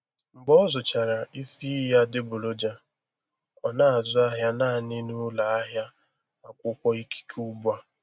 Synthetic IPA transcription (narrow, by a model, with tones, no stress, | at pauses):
ŋ͡m̩˨ɡ͡bɔ˦zʊ˨t͡ʃa˨ɾa˨i˦si˦ja˦dɪ˦bʊ˨lo˦d͡ʒa˨ | ɔ˨na˦˨a˨zʊ˦a˦ɦja˦naː˦˨nɪ˦nʊ˦la˨a˦ɦja˦ | a˨kʷʊ˦kʷɔ˦i˦ki̥˦kʰu˦bu˦a˦